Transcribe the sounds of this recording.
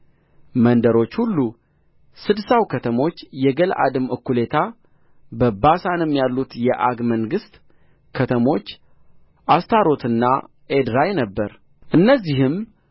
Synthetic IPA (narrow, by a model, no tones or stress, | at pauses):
mənd̪əɾo̞t͡ʃːhulːu | sɨd̪sawkʰət̪ʰəmo̞t͡ʃːjɛɡəlʔa̰d̪ɨmɨkːule̞t̪ʰa | bəbasanɨmːjalːut̪jɛʔaɡməŋɡɨst̪ | kʰət̪ʰəmo̞t͡ʃː | ʔast̪ʰaɾo̞t̪ʰɨnːa̰ | ʔed̪ɾajnəbːəɾ | ʔɨnːəzːihɨm